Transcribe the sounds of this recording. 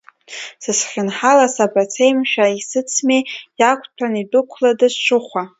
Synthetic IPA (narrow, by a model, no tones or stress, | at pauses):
sɨsχʲɪnħalasabat͡sʰejmʃᶣaisɨt͡sʰmejakʷʰʼtʰanidʼʊkʷʰladɨsʃʷʊχʷa